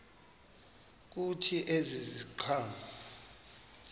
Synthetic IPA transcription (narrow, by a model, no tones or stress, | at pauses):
k̬ʼutʰiʔeziziǃʰaːma